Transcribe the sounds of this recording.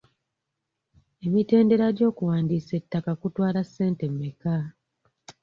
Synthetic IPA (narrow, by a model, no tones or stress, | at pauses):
e̞mite̞ːnde̞ɾaɟo̞ːkuwaːndiːse̞tːakakutwaːlasːe̞ːnte̞mːeka